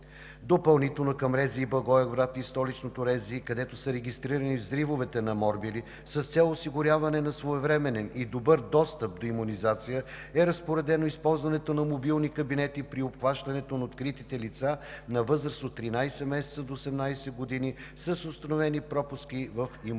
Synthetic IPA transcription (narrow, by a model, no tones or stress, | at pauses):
d̪opəlˠnit̪ɛlˠnokɐmɾɛziːbɐɡɔɛɡvɾat̪ist̪ɔlit͡ʃnot̪oɾɛziːkɐd̪ɛt̪osəɾɛɡʲist̪ɾiɾənivzɾivovɛt̪ɛnɐmɔɾbili | sɐst̪sɛlˠosiɡʊɾʲjavɐnɛnɐsvoɛvɾɛmɛnɛnid̪obɤɾd̪ɔst̪əp̚d̪oimunizat̪sijə | ɛɾɐspoɾɛd̪ɛnoispɔlˠzvɐnɛt̪onɐmobilˠnikəbinɛt̪ipɾiopxvaʃt̪ɐnɛt̪onɐot̪kɾit̪it̪ɛlit̪sanɐvɤzɾəsot̪ːɾinajsɛmɛsɛ̥t̪səd̪oːsɛmnajsɛɡod̪ini | sɐsost̪ɐnovɛnipɾɔpʊskivəfi